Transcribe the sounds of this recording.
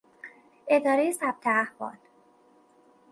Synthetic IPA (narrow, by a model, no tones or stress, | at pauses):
e̞d̪ɒːɾejesæb̥̚t̪ʰeæhvɒ̰ːl